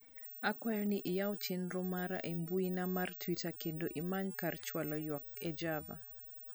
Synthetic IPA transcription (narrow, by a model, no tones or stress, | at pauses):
akwajɔnɪʔɪjawt͡ʃɪnɾʊmaɾa̰ʔembuinamartʰwitakendoʔimaɲkart͡ʃwalɔjwak̚ɛd͡ʒava̰